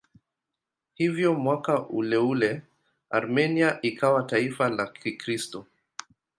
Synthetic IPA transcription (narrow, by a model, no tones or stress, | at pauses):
hivjɔmwakaʔulɛulɛ | aɾmɛniaʔikʰawataifalakʰikɾistɔ